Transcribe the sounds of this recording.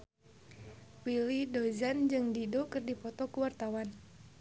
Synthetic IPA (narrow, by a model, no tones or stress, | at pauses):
wilidozand͡ʒɨŋdidokɨrdipɔt̪ɔkuwart̪awan